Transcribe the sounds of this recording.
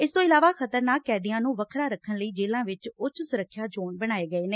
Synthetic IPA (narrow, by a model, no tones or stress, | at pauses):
ɪst̪õːɪlaːʋaːkʰət̪əɾnaːkːɛːd̪ɪjãːnũːʋəkʰɾaːɾəkʰːənləiːd͡ʒeːlãːʋɪt͡ʃʊt͡ʃsʊɾəkʰːjaːd͡ʒoːɳbəɽ̃aːeːɡəeːneː